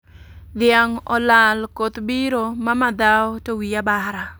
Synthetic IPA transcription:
d̪ɪaŋɔ̰lalkot̪biɾomamad̪awɔtowiabaɾa

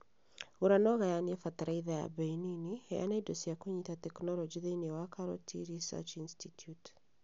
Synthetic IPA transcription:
ɣuɾanɔɣajaniɛfat̪aɾaiðaja̰beininieja̰naidosiakoɲitatɛknɔlɔd͡ʒiðeiniɔwakʰaɾɔ̰tʰḭɾisa̰t͡ʃinstitʰjut

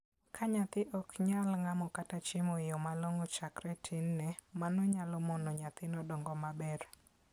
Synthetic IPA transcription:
kʰaɲat̪ɪʔɔkɲalŋamɔkatat͡ʃɪmoɪjomaloŋɔt͡ʃakɾɛtʰɪnːɛmanɔɲalɔmonoɲat̪ɪnɔdɔŋɡɔmabɛr

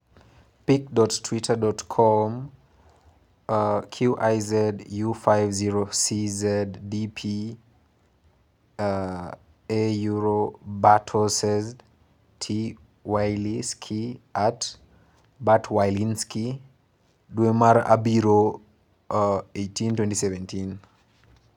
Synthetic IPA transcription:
pikdɔttʰwitʰədɔtkʰɔm | kʰjuʔajzɛdjufajvziɹosizɛdːipʰi | ejuɹobatʰɔsɛz | tʰi | wajliskʰiat | batʰwajlinski | duwemaɾa̰biɾo | ejtʰĩntwɛ̃ntisɛvɛ̃ntʰin

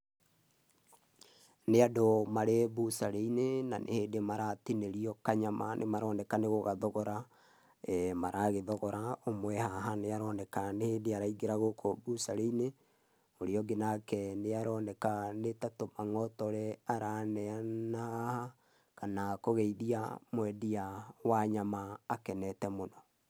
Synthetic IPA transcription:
neadomaɾebusaɾeinena̰nʔḛheːdemaɾatineɾiɔkaɲama̰nʔḛmaɾɔnɛkaneɣoɣaðɔɣɔɾa | ɛmaɾʔaɣeðɔɣɔɾaomwɛhaɦaneaɾɔːnɛkaneheːdeaɾaiɡeɾaɣokʰobusaɾeine | oɾeɔɡenakɛneaɾɔːnɛkanetatomaŋɔtɔɾɛaɾanɛanahaha | kanakoɣɛiðia̰mwɛdiawaɲamaːkɛnɛtɛmonɔ

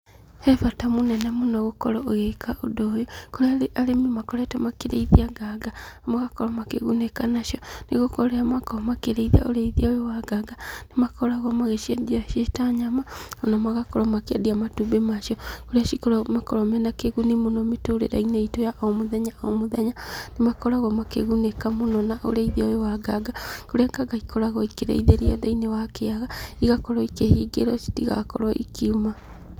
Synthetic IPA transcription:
hefatamunɛnamonoɣokɔlɔoɣekʰaʔodojokoɾaalemimakɔɾetamakeɾḛiðiaɡaɡamaɣakɔɾɔmakeɣunekanaʃjɔniɣokoɾejamakomakeɾeiðia̰o̰ɾeiðiaoɾewaɡaɡanimakoɾaɣɔmaɣeʃiadiaʃeʃi̥taɲamaonomaɣakɔɾɔmakeadiamatubemaʃjɔkoɾeaʃikoɾɔmakɔɾɔmɛnakeɣunemonɔmetoɾḛɾa̰ineitojaʔomoðɛɲaɔomoðɛɲanemakɔɾaɣɔmakḛɣunekamonɔnaʔo̰ɾaiðiawewaɡaɡakoɾeaɡaɡaikɔɾaɣɔikeɾḛiðeɾiɔ̰ðainewakeaɣaiɣakɔɾɔikehiɡḛɾɔʃi̥tiɣa̰kɔ̰ɾɔʔḭkʰiuma

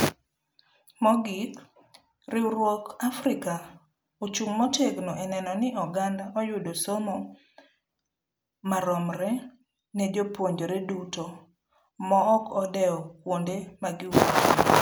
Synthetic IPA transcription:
mɔɡik | rɪɾwɔkafɾɪka | ot͡ʃuŋmɔteknɔʔɛnɛnɔnɪɔɡandaʔɔjʊdɔsomɔ | maɾɔmɾɛ | ned͡ʒopwoɲd͡ʒoɾeduto | mɔɔkʰɔdɛɔkwondemaɡɪwoo

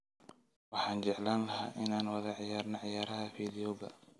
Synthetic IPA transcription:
wɑħɑːnd͡ʒɛʕlaːnlɐɦa̰ːʔɪnaːnwɑðɐʕɪjaːɾnɐʕɪjaːɾɐɦɐfiːðɪjɔɡɐ̰

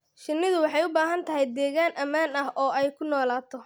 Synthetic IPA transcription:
ʃɪnːɪðʊwɑħɑjʊbaːɦɐnt̪ʰɐɦɛjd̪ɛːɣaːnʔɐmaːnɐɦʔɔːɛjkʰʊnɔːlaːt̪ʰɔ

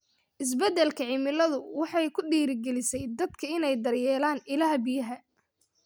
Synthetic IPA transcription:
ʔɪs̬bɛd̪ɛlkʰɐʕɪmɪlɐðʊwɑħɑjkʰʊɖiːɾɪɡɛlɪsɛjd̪ɐd̪kʰɐɪnɛjd̪ɐrjɛːlaːnɪlɐɦɐbɪjɐɦɐ

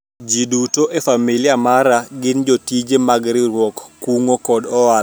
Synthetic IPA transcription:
d͡ʒidutoʔefamilɪamaɾaɡɪnd͡ʒotid͡ʒemaɡɾɪɾwɔkːuŋokɔdɔa

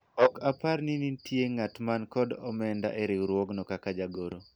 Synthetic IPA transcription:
ɔkaparninitʰjeŋatmankɔdɔmɛnda̰ʔeɾɪwɾwɔɡnɔkakad͡ʒaɡoɾo

